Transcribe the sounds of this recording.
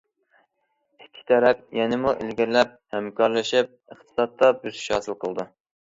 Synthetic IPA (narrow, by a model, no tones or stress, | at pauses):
ɪkʲʰːi̥t̪ʰɛɾɛpjɛnɪmuʔɪ̰lɡʲiɾlɛp̚hɛmkʰɑɾlˠɨʃɪp̚əχt̪ʰɨ̥sɑt̪ːɑbyzʃɑːsɨlˠqʰəlˠd̪u